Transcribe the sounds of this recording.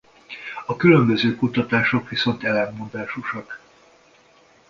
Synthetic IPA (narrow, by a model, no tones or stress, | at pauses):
ɒkylø̞mbø̞zøːkut̪ɒt̪aːʃo̞kʋiso̞nt̪ɛlɛmːond̪aːʃuʃɒk